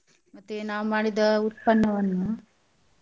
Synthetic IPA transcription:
mɐt̪ːenaːʋumaːɽid̪ɐut̪̚pɐnːɐʋɐnːu

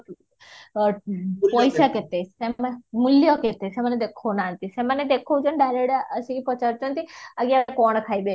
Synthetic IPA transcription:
pɔjsaket̪esemuljɔket̪eseməned̪ekʰonaənt̪iseməned̪ekʰod͡ʒənɖaɾeɽəsikipɔt͡ʃaɾt̪onət̪ʰiaɡiaekɔɳ̃kʰaibe

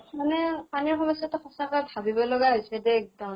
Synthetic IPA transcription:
manɛpaniɹxɔmɔsɔtɔxɔsakjbʱabibɔlɔɡaɦojsɛdɛːk̚dɔ

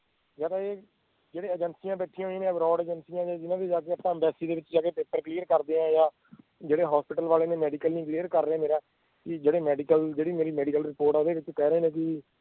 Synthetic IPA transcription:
zaːd̪aːeː | d͡ʒeːɽeːɛd͡ʒənsijãːbɛːʈʰĩːɦoĩːnẽbɾɔːɖɛːd͡ʒənsijãːd͡ʒaːd͡ʒɪnãːd̪iːd͡ʒaːkeːəpãːbɛːsiːd̪eːʋɪt͡ʃd͡ʒaːkeːpeːpəɾkliːəɾkəɾd̪eːãːjaː | d͡ʒeːɽeːɦɔːspɪʈəlʋaːleːnẽːmɛːɖiːkəlnĩːkliːəɾkəɾːeẽːmeːɾaː | kɪd͡ʒeːɽeːmɛːɖiːkəld͡ʒeːɽiːmeːɾiːmɛːɖikəlɾɪpoːɾʈad̪eːʋɪt͡ʃkɛːɾəeːnẽːkɪ

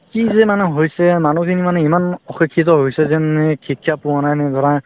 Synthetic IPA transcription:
kizɛmanɛɦojsɛmanukʰinimanɛimanɔxikʰːit̪̬ɔɦojsɛzɛmnɛkʰikʰːjapuanajnɛd̪ʱɔɹa

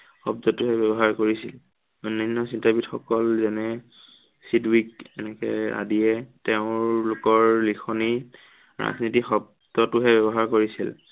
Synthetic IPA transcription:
xɔbdɔtʊɦɛbɛbɔɦaɹkoɹisil | onːɔnːɔsintabitxɔkɔlzɛnɛ | sidwikɛnɛkɛ̰a̰dijɛteʊ̃ɹlʊkɔɹlixʰɔni | ɹa̰znitixɔb̚ | dɔtʊɦɛbɛbɔɦaɹkoɹisḭl

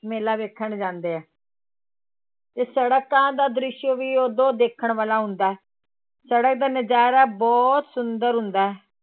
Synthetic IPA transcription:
meːlaːʋeːkʰːəɳd͡ʒãːnd̪eːɛː | t̪eːsəɽəkãːd̪aːd̪ɾɪʃjoʋiːoːd̪õːd̪eːkʰəɳʋaːlaːɦʊnd̪aːɛː | səɽək̚d̪aːnəd͡ʒaːɾaːbɔːt̪sʊnd̪əɾɦʊnd̪aːɦɛː

